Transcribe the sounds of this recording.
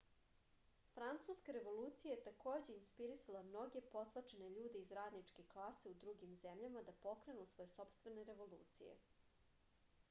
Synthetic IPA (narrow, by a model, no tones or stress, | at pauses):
fɾant̪suskaɾe̞ʋo̞lˠuːt̪sijajet̪ako̞ːd͡ʑe̞inspiɾisalˠamno̞ɡe̞po̞t̪lˠat͡ʃene̞ʎuːd̪eizɾaːd̪nit͡ʂkeklˠaseud̪ɾuɡimzemʎamad̪apo̞kɾe̞nusʋo̞jeso̞pst̪vʋe̞neɾe̞ʋo̞lˠṵːt̪sḭjḛ